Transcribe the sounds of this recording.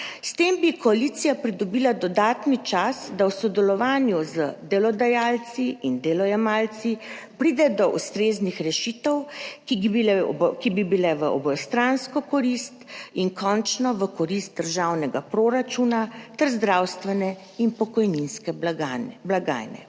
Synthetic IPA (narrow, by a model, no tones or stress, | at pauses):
st̪eːmbikɔalit̪sijapɾid̪ɔbilad̪ɔd̪aːt̪nit͡ʃasd̪awsɔd̪ɛlɔʋaːnjuzəd̪ɛlɔd̪ajaːlt̪siind̪ɛlɔjɛmaːlt̪si | pɾid̪ɛd̪ɔʔust̪ɾeːznixɾɛʃit̪əwkiibilɛkibibilɛʋəɔ̰bɔjɛst̪ɾanskɔkɔɾist̪iŋkʰɔnt͡ʃnɔʋəkɔɾist̪̚d̪əɾʒawnɛɡapɾoɾat͡ʃunat̪ɛɾzd̪ɾawst̪ʋɛnɛ | inpɔkɔjninskɛ | blaɡa̰ːjnɛ̰